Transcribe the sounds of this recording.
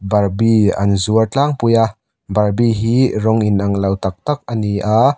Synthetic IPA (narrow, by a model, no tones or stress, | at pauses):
bɐɾbiɐ̰nzuəɾt͡ɬaŋpuja | bɐɾbiɦiɾɔŋinʔɐŋlɐwt̪ɐk̚t̪ɐk̚ɐniʔa